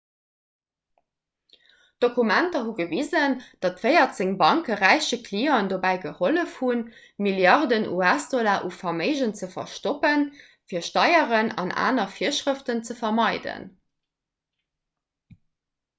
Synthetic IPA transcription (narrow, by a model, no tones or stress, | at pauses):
d̥okumæntɐɦuɡəvizənd̥ɑtvɜɪɐtz̥eŋbɑŋkəʁæɪʃəkʰliːɔndobæɪɡəholəfhun | miljɑʁdənʔṵæsd̥olaːʔufɑməɪʒənt͡səfɐ̰ʃtopən | fiːɐʃtɑɪəʁənɑ̰nʔa̰ːnɐfiɐʃʁəftənt͡səfɐmɑɪdə̰n